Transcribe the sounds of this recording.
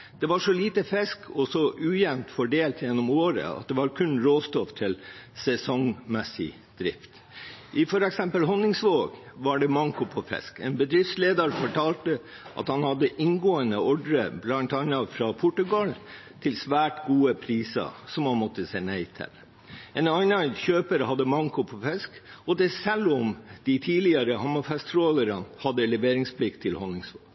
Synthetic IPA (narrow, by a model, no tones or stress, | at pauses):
d̪̥ɛʋɑʂɔliːt̪əfɛskʰɔsɔʔʉːjɛnt̪fɔɖeːlt̪jɛnːɔmoːɾə̰ɑ̰t̪̚d̪ɛʋɑɾkʰʉnɾoːst̪ɔft̪ʰɪlsɛsɔŋmɛsɪ̰ | d̪̥ɾɪft̪ | ʔɪfɔɾɛksɛmpəlɦɔnːɪŋsʋoːɡʋɑɖɛmɑŋkʊpʰɔfɛ̰skeːnbəd̪ɾɪft̪sleːd̪ɑɾfɔʈʰɑːlt̪ə | ʔɑ̰t̪hɑnhɑd̪ːəʔɪŋɡoːənəɔɖɾəblɑnt̪ɑnːɑfɾɑpʰʊʈʉɡɑl | t̪ʰɪlsʋæːʈɡuːəpʰɾiːsɑ̰sɔmhɑnmɔt̪ːəsæɪnæɪt̪ʰɪ̰l | enɑnɑçøːpəɾhɑd̪ːəmɑŋkʊpʰɔfɛskɔd̪ɛsɛlːɔmd̪̥ɪt̪ʰiːlɪəɾəhɑmɑfɛst̪ʰɾoːləɾɑnhɑd̪ːəlɛʋeːɾɪŋspʰlɪkt̪ʰːɪlhɔnːɪŋsʋo̰ːɡ̥